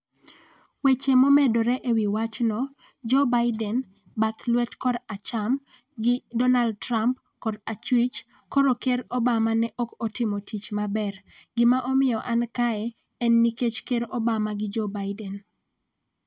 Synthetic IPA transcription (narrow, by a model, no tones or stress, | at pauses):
wet͡ʃemomedoɾɛʔewiwat͡ʃnɔ | d͡ʒɔbaɪdɛn | baklwɛtkɔdat͡ʃam | ɡɪdɔnald̚tɾamp | kɔdat͡ʃwit͡ʃ | kɔɾokeɾɔbamanɛʔɔkɔtɪmɔtit͡ʃmabɛr | ɡɪmaʔɔmɪjɔʔankaɛ | ɛnːiket͡ʃkeɾɔbamaɡɪd͡ʒɔbaɪdɛn